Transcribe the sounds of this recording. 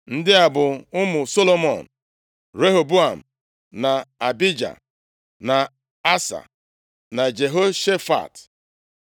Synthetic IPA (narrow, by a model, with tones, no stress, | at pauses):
n̩˦dɪ˦a˨bʊ˨ʊ˦mʊ˨so˦lo˦mɔ˨n̩˨ | ɾe˦ɦo˨bu˦a˨m̩˨ | na˨a˨bi˦d͡ʒa̰˨ | na˨ | a˦sa̰˨ | na˨d͡ʒe˨ɦo˦ʃe˦fa̰˨t